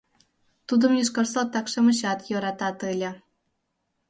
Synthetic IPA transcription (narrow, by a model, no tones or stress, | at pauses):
t̪ud̪ə̆mjiʃkɑrsot̪ːɑkʃɤ̆mə̆ɕɑt̪jɤɾɑt̪ɑt̪ɯlʲĕ